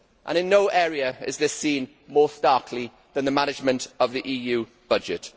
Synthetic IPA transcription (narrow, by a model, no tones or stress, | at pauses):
ʔə̰̃nɪ̃nːoʊʔɛːɹiəɪ̰zðɪsĩːn | mɔːstɑˑkʰli | ðə̃nðəmanɪd͡ʒmə̃ntəvðiʔiːjʉː | b̥ʌd͡ʒɪ̰t